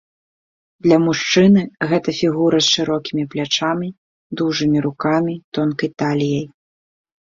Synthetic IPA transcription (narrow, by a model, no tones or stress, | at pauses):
d̪lʲɐmuʂt͡ʂɨnɨɣɛt̪ɐfʲiɣuɾɐsʂɨɾɔkʲimʲiplʲat͡ʂamʲi | d̪uʐɨmʲiɾukamʲit̪ɔnkɐjt̪alʲijɐj